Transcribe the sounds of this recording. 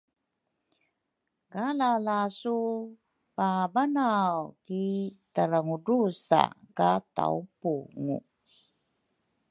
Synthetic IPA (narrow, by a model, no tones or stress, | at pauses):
kalalasu | pabanawkit̪aɾaŋudusa̰kat̪a̰ṵpuŋṵ